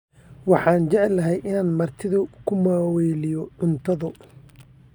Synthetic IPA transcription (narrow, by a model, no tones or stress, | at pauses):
wɑħɑːnt͡ʃɛʕɛlːɐɦɛjʔɪnaːnmɐrt̪ʰɪðʊkʰʊmaːwɛːlɪjɔʕʊnt̪ʰɐðʊ